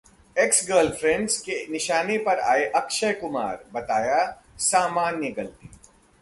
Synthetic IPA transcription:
eksɡəːlfʰɾɛ̃ɳɖzkenɪʃaːnepɐɾa̰ːeʔɐkʃəɦkʊma̰ːɾbɐt̪aːja | saːmaːnːəɡəlt̪iː

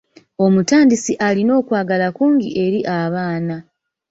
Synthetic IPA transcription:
o̞mutaːndisiʔalino̞ːkwaːɡalakuːŋɡiʔe̞ɾiʔaβaːna

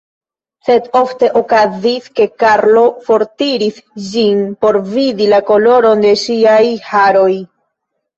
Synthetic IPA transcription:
se̞do̞fte̞ʔokaziske̞kaɾlo̞fo̞ɾtiɾisd͡ʒinpo̞ɾvidilako̞lo̞ɾo̞nde̞ʃiajhaɾo̞j

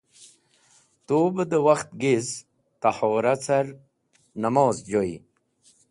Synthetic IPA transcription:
t̪oːbəd̪əwaxt̪̚ɡez | t̪aħoːɾat͡saɾ | namoːzd͡ʑoḭ

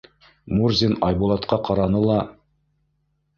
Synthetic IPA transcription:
murzʲinɑjbulˠɑt̪qɑqɑɾɑnɤlˠɑ

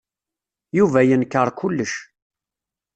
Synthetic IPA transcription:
juvæjənkːəɾˤkʊlːəʃ

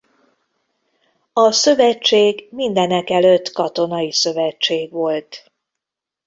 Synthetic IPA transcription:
ɒsøvɛt͡ʃːeːɡmind̪ɛnɛkɛløt̪ːkɒt̪o̞nɒjisø̞vɛt͡ʃːeːɡʋo̞lt̪

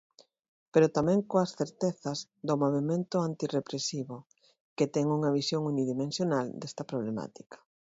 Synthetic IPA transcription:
peɾot̪amɛ̃ŋkoɐsθeɾt̪eθɐz | d̪omoβ̞emẽnt̪ʊant̪irepɾesiβo | ket̪ɛŋuŋɐβ̞isjoŋuniðimẽnsjonald̪ɛst̪ɐpɾoβlema̰t̪i̥kɐ̥

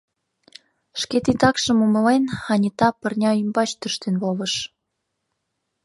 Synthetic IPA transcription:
ʃket̪it̪ɑkʃə̆muməlenɑnʲit̪ɑpə̆rnʲɑymbɑt͡ɕt̪əʃt̪enβoləʃ

